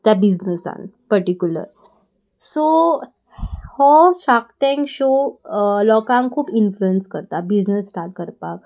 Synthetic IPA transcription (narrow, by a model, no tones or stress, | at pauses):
t̪jabid͡ʑnəsa̰npəɾʈikjulə̰ɾ | so | hɔɕakʈɛ̃ŋkɕo | lɔkãŋkʰːuːpinfluenskəɾt̪abid͡ʑnəsːʈaɾʈ̚kəɾpak̚